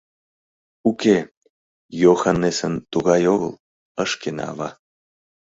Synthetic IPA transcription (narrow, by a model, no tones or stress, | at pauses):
uke | joxanːesənt̪uɣɑjoɣə̰lˠ | əʃken̰ɑ̰βɑ